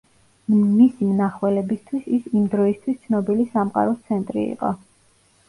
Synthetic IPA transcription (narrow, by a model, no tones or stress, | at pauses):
misimnaχwɛlɛbist̪ʰwisisimd̪ɾɔist̪ʰwist̪sʰnɔbilisamqʼa̰ɾɔst̪sʰɛnt̪ʼɾḭḭqʼɔ